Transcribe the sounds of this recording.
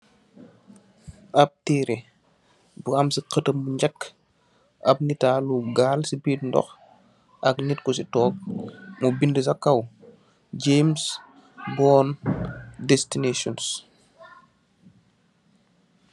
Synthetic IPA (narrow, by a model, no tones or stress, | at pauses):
ʔɐp̚tiːɾʔɛ | buɐmsiqətəmːuɲɟɐkː | ʔɐp̚nitaːluɡaːlsibiːtndɔ̰x | ʔɐknitkɔsitɔːk̚mubindəsɐkːɐw | ɟeːms | bɔːn | dɛstinesɔns